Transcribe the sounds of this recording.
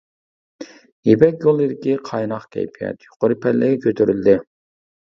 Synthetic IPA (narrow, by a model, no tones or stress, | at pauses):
jepɛkʲjolˠɨd̪ɪkʲiqʰɑjnɑχkʲʰɛ̰jpʰijɛ̰t̪jo̥qʊɾɨpʰɛɾlːɪɡʲɛkʲʰøt̪ʰyɾyld̪ɪ